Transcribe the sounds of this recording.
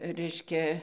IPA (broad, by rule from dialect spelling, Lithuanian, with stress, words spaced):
ˈrʲɛɪʃʲkʲɛ